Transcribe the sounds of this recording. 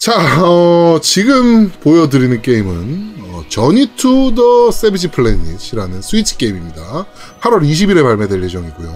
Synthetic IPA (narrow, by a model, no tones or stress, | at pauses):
t͡ɕaʌt͡ɕiɡɯmpojʌdɯɾinɯnk͈e̞imɯnʌt͡ɕʌɲitʰudʌs͈ebid͡ʑʰipʰɯɭːeniɕʰiɾanɯnsʰuit͡ɕʰɯ̥k͈e̞imimɲida | pʰaɾwʌɾiɕ̬ʰibiɾe̞paɭme̞dwe̞ɾje̞d͡ʑʌŋiɡujo